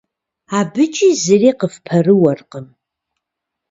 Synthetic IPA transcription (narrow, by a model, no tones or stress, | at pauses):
abɨt͡ʃʼizɨriːqəfpʰɐrɨwɐrqəm